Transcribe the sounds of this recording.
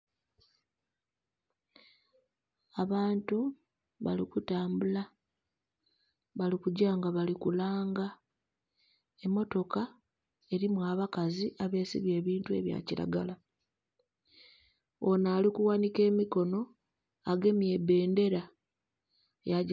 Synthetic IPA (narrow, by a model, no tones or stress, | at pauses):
aβaːntu | βa̰likutaːmbula | βalikuɟaːŋɡaβalikulaːŋɡa | e̞mːo̞to̞ka | e̞ɾimwaːβakaziʔaβe̞ːsḭβje̞ːβiːntue̞̰βja̰ciɾa̰ɡala | onaːlikuwanike̞ːmiko̞no̞ | aɡe̞mjebe̞ːnde̞ɾa | ja